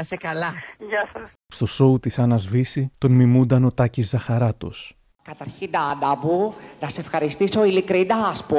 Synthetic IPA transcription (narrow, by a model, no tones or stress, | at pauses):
ɐsekɐlɐʝɐs | st̪o̞so̞ut̪isɐnɐzvisit̪o̞nmimund̪ɐno̞t̪ɐcizðɐxɐɾɐt̪o̰s | kɐt̪ɐɾçind̪ɐɐndɐpunɐseefxɐɾist̪iso̞ilikɾid̪ɐspu